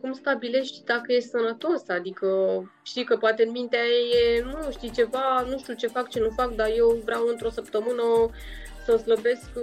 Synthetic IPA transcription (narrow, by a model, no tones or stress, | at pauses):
kumst̪abile̞ʃt̪ʲd̪akəje̞st̪ʲsənət̪o̞sad̪ikə | ʃt̪iwkəpoat̪eɨnmint̪eajejenuʃt̪it͡ʃe̞vanuʃt̪iut͡ʃe̞fakt͡ʃe̞nufakd̪aje̞wvɾeawɨnt̪ɾo̞səp̚t̪əmɨnə | səsləbe̞sk